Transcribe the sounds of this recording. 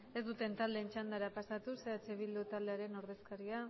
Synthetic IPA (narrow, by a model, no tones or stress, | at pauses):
e̞zd̪ut̪e̞nt̪ald̪e̞nt͡ʃand̪aɾapasat̪use̞at͡seβild̪ut̪ald̪e̞aɾe̞no̞ɾð̞e̞skaɾia